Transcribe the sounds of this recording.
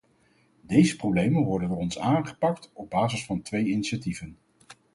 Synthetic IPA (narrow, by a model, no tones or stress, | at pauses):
dejzəprowblejmənʋɔɹdəndʊːrɔnsaːnχə̥pɑk̚tɔb̚baːzəsfɑntʋejiniʃativən